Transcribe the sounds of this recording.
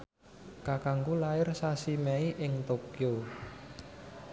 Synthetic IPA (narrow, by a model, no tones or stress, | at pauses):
kakaŋɡulaɪrsasimɛiʔɪŋt̪okio